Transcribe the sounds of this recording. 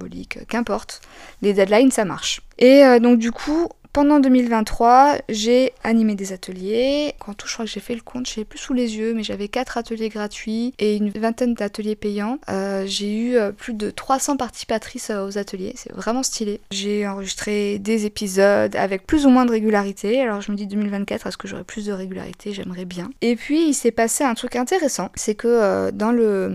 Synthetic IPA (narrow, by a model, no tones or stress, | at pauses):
ɛbɔlḭkø̰kɛ̃pɔʁt̪ | led̪ɛd̪lajnsama̰ʁʃeød̪ɔ̃k̚d̪ykʰu | pɑ̃d̪ɑ̃d̪ømilvɛ̃nːχwaʒeanimed̪ezat̪ʰəljekʰɑ̃t̪u̥ʃə̥kχwakʒefɛləkʰɔ̃t̪ʒeɛplysulezjømɛʒavɛkat̪χat̪əljeɡʁat̪ɥieynvɛ̃t̪ɛnd̪at̪əljepɛjɑ̃øʒeyøplyd̪ət̪χwasɑ̃paʁt̪i̥sipat̪χisøozat̪əljḛsɛ̰vʁɛmɑ̃st̪ileʒeɑ̃ʁəʒist̪χed̪ezepizɔd̪a̰vɛk̚plyzumwɛ̃d̪əʁeɡʲylaʁit̪ʰealɔʁʒəməd̪id̪əmilvɛ̃t̪̚kʲat̪χɛsə̥kəʒo̰ʁɛ̰plysd̪əʁeɡʲyla̰ʁḭt̪ʰeʒɛmʁɛbjɛ̃epɥiilsɛpaseɛ̃t̪χykɛ̃t̪eʁesɑ̃sɛkəd̪ɑ̃lə